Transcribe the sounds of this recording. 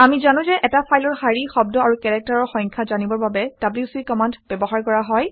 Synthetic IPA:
amizanʊ̃zɛʔɛtapʰajlɔɹxaɹixɔb̚dɔaɹukɛɹɛk̚taɹɔɹxɔ̃jŋkʰazanibɔɹbabɛd̥ablisikɔmandbɛbɔɦaɹkɔɹaɦɔj

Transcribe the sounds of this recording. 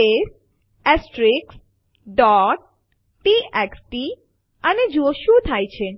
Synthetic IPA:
es | esʈɾiks | ɖɔʈ̚ː | iɛksʈi | aned͡ʑuoʃut̪ʰajt͡ɕʰe

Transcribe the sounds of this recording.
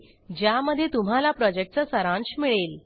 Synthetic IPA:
d͡ʑjaməd̪ʱːjet̪um̤alapɾɔd͡ʑek̚ʈ̚t͡səsəɾãnɕmiɭel

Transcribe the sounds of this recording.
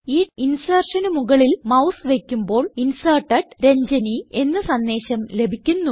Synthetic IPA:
iːinsɐːrʂɐnumuɣɐɭilmɐwsʋekʲːumbo̞ːɭinsɐːrʈːɐʈɾe̞ɲd͡ʑɐnie̞nːɨsɐnːe̞ːɕɐmle̞bʱikʲːunːu

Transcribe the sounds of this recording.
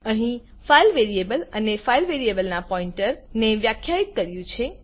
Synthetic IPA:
əɦĩ | failʋeɾiebələnefailʋeɾiebəlnapɔĩɳʈəɾneʋjakʰjait̪̚kəɾjũt͡ʃʰe

